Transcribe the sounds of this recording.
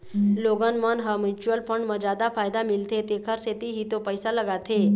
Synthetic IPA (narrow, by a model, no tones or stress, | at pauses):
loɡənmənɦəmit͡ʃuəlpəɳɖməd͡ʒad̪afʰajd̪amilt̪ʰet̪ekʰəɾset̪iɦiːt̪opəjsaləɡat̪ʰe